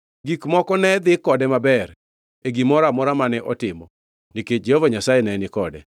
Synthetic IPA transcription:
ɡikmɔkɔnɛd̪ɪkɔdɛmabɛr | eɡimɔɾamɔɾamanɛʔɔtɪmɔ | niked͡ʒehɔvaɲasaɛnɛnɪkɔdɛ̰

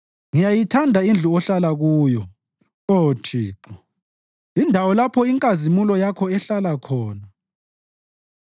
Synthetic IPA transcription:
ŋijajitʰandʱaind͡ɮʱuɔɬalaɣuːjɔ | otʰiːǁɔ | indʱawɔlapʰɔiŋkʼazimulɔjakʰɔɛɬalakʰɔːna

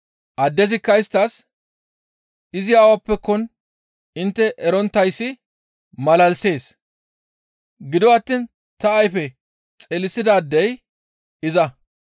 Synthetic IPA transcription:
ʔɐd̪ːɛzɪkːɐɪst̪ːɐs | ɪzɪjaːwɐpːɛkːɔn | ɪnt̪ːɛʔɛɾɔnt̪ːɐjsːɪ | mɐlɐlse̞ːs | ɡɪd̪ɔwaɐt̪ːiːn | t̪ɐːjfɛ | t͡sʼɛlɪsɪd̪aːd̪ːɛj | ɪzɐ

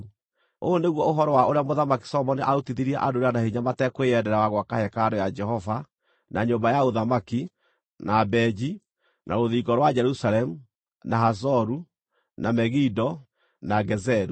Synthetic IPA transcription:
oːneɣwɔoɦɔɾɔwaoɾeamoðamaki̥sɔmɔniʔaotiðiɾiɛʔadoɾanahiɲamatɛkweɛdɛɾawaɣwakahɛkaɾɔjad͡ʒɛhɔva | naɲombajaoðamaki | nabɛd͡ʒi | nʔaɾoðiɡɔɾwad͡ʒɛɾusalɛmu | naɦaz̬ɔɾu | namɛɣidɔ | naɡɛzɛɾu

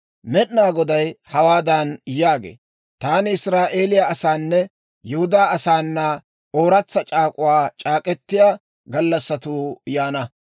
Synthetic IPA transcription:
mɛɗnaːɡɔd̪ɐjhɐwaːd̪anjaːɡḛː | t̪aːnɪɪsɾaːʔe̞ːlɪjaɐsaːnːɛ | jɛhʊd̪aːɐsaːnːɐ | o̞ːɾɐt͡sːɐt͡ʃʼaːkʼʊwaːt͡ʃʼaːkʼɛt̪ːɪjaː | ɡɐlːɐsːɐt̪uːjaːnɐ

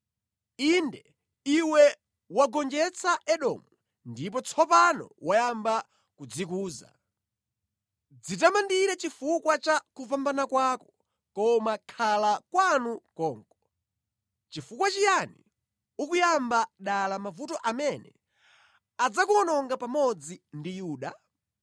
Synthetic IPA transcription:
indɛ | iwɛ | waɡɔnd͡ʒɛt͡sʰaʔɛɗɔ̰mu | ndip̬ɔt͡sʰɔpanɔ̰wajamba | kud͡zikuːza̰ | d͡zitamandiɾɛt͡ʃifukwat͡ʃakuvambanakwakɔ | kɔmakʰalakwanukɔːŋkɔ | t͡ʃifukwat͡ʃijanḭ | ukujambaɗalamavutɔʔamɛnɛ̰ | ad͡zakuɔnɔŋɡapamɔd͡zindijuːɗa

